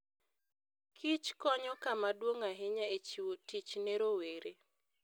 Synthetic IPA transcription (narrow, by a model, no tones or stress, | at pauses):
kʰit͡ʃkɔɲɔkamadwoŋaɦɪɲaet͡ʃiwotit͡ʃneɾoweɾe